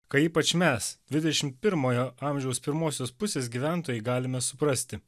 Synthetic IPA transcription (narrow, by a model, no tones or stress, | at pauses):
kɐiːpɐt͡ʃmʲɛsddʲʋʲɪd̪ʲɛʃʲɪmt̪̚pʲɪɾmoːjoːɑˑmʲʒʲɛʊspʲɪɾmoːsʲoːspʊsʲeːs̬ɡʲiːʋʲæˑnt̪oːjɛɪɡɑːlʲɪmʲɛsʊpɾɐsʲt̪ʲɪ